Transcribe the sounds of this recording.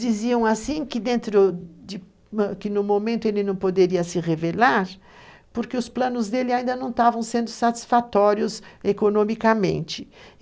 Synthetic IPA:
d͡ʒiziɐ̃w̃asĩkɪd̪ẽnt̪ɾʊd͡ʒɪ | kɪnʊmomẽnt̪ʊelɪnɐ̃w̃pod̪eɾiɐsɪʁevelaɾ | poɾkeʊsplɐ̃nʊzd̪elɪaĩd̪ɐnɐ̃w̃t̪avɐ̃w̃sẽnd̪ʊsat͡ʃ̪i̥sfat̪ɔɾjʊzekonõmikamḛ̃nt͡ʃɪ̥

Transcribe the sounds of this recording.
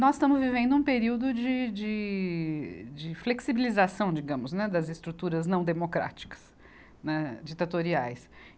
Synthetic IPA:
nɔzɪst̪ɐ̃mʊzvivẽnd̪ʊũpeɾiwd̪ʊd͡ʒɪd͡ʒɪ | d͡ʒɪfleksibilizasɐ̃w̃d͡ʒiɡɐ̃mʊznɛd̪ɐzɪst̪ɾut̪uɾɐznɐ̃w̃d̪emokɾa̰t͡ʃi̥kɐ̥s | nɛd͡ʒit̪at̪oɾiajs

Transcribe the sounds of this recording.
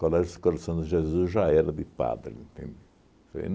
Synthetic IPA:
kalɛʒsɪ̥koɾasɐ̃w̃d̪ɪʒezuzʒaɛɾɐd̪ɪpa̰d̪ɾɪẽnt̪ḛ̃nd̪ɪ | feḛn

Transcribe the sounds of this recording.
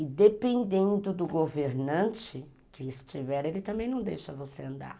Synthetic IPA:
ɪd̪epẽnd̪ẽnd̪ʊd̪ʊɡoveɾnɐ̃nt͡ʃɪ | kɪɪst͡ʃivɛɾelɪt̪ɐ̃mbẽj̃nɐ̃w̃d̪ejʃɐvoseɐ̃nd̪a̰ɾ

